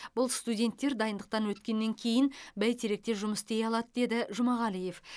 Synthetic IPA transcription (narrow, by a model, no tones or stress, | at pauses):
bʊlˠst̪udʲe̞nt̪ːe̞ɾd̪ɑjənd̪əq̚t̪ɑnwɵt̪kʲe̞nːe̞ŋkʲʰe̞jɪnbæjt̪ʰeɾe̞k̚t̪e̞ʒʊməsd̪e̞jɑlˠɑd̪əd̪e̞d̪ɪʒʊmɑʁɑlije̞f